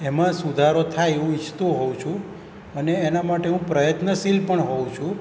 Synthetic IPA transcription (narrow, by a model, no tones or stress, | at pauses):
emãsud̪ʱaɾot̪ʰajeũit͡ʃʰt̪ũɦowũt͡ʃʰũ | əneːnamaʈeɦũpɾəjət̪nəsilpəɳɦoũt͡ʃʰũ